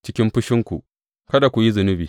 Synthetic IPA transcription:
t͡ʃɪ˦kʲɪ˦mɸʊ˦ʃɪ˦ŋkʷṵ˨ | kɐ˦da˨kʷu˨ji˦zʊ˨nʊ˦biː˨

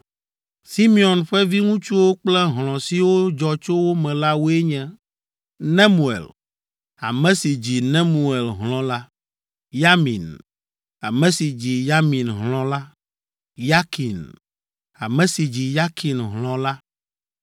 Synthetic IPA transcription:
si˦mi˦˨ɔ˨nɸɛ˦vi˦ŋũ˦t͡ʃu˦wo˦k͡plɛ˦ɦlɔ̃˨si˨wo˦d͡ʒɔ˨t͡ʃo˦wo˦mɛ̃˨la˦wo˦e˦ɲɛ̃˦ | nɛ̃˦mu˨ḛ˨l | a˨mɛ̃˦si˨d͡ʑi˨nɛ̃˦mu˨e˨lɦlɔ̃˦la˦ | ja˦mḭ̃˨n | a˨mɛ̃˨˦si˨d͡ʑi˨ja˦mĩ˨nɦlɔ̃˨la˦ | ja˦ki˨n | a̰˨mɛ̃˨si˨d͡ʑi˨ja˦ki˨nɦlɔ̃˨la˦

